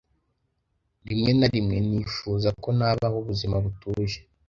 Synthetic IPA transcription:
ɾimŋe̞naɾimŋe̞nifuːzako̞naβahuβuzimaβutuʒe

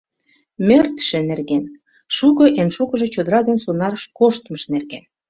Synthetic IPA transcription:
mĕrt̪ʃĕnerɣen | ʃukɤ̆ʔenʃukə̆ʒĕt͡ɕod̪əɾɑd̪ensonɑrʃkoʃt̪mə̆ʃnerɣen

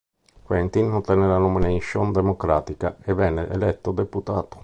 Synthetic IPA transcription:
kwɛnt̪inːot̪ɛnːɛlanominejʃond̪emokɾaːt̪ikaɛvɛnːɛʔɛlɛt̪ːod̪eput̪aːt̪o̥

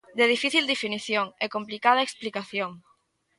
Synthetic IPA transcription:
d̪eðifiθild̪efiniθjoŋekomplikaðaeksplikaθjoŋ

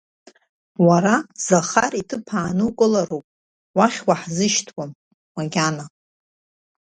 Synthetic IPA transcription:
waɾazaχaritʰɨpʰaːnɨwkʼɨlaɾupʼ | waχʲwaħzɨʃtʰwam | maɡʲana

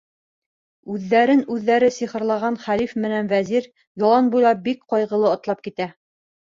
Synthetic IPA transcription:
ʉðːæɾɘnʉðːæɾɘsiχɤ̆ɾlˠɑʁɑnχælifmɘ̆nænvæziɾ | jolˠɑnbujlˠɑp̚bikqɑjʁɤ̆lˠɤŏt̪lˠɑp̚kit̪æ

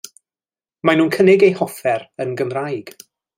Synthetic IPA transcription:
manuːnkʰənɪɡejhɔfɛɾənɡəmrajɡ̥

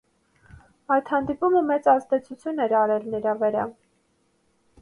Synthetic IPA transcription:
ɑjt̪hɑnd̪ipuməmɛt͡sɑzd̪ɛt͡sʰut͡sʰjunɛɾɑɾɛlnəɾɑvəɾɑ

